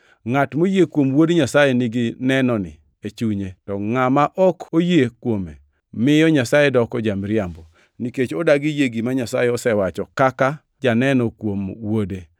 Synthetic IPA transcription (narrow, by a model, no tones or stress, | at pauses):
ŋatmojekwomwodeɲasajenɪɡɪnɛnɔnɪ̰ | et͡ʃuɲetɔŋamaʔɔkojekwome | mɪjɔɲasajedɔkɔd͡ʒamɾɪambɔ | niket͡ʃɔdaɡijeɡimaɲasajeɔsɛwat͡ʃɔkaka | d͡ʒanɛnɔkwomwode